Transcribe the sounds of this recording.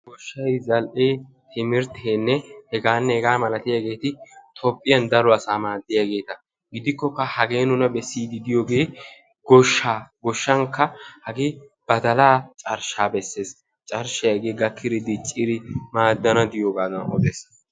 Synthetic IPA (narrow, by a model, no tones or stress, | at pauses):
ɡɔʃːɐjzɐlʔeː | t̪ɪmɪɾt̪ʰeːnːɛhɛɡaːnːɛhɛɡaːmɐlɐt̪ɪjaɡe̞ːt̪ɪt̪ʰɔpʼːɪjɐnd̪ɐlɔɐsaːmaːd̪ːɪjaɡe̞ːt̪ɐ | ɡɪd̪ɪkːɔkːɐhɐɡe̞ːnʊnɐbɛsːiːd̪ɪd̪ɪjoːɡe̞ː | ɡ̥ɔʃːaːɡɔʃːɐŋkːɐhɐɡɪ | b̥ɐd̪ɐlaːt͡ʃʼɐɾʃaːbɛsːe̞ːs | t͡ʃʼɐɾʃɐjɐɡeːɡɐkʰːɪɾɪd̪ɪt͡ʃʼːɪɾɪmaːd̪ːɐnɐd̪ɪjoːɡaːd̪ɐnɔ̰d̪eːs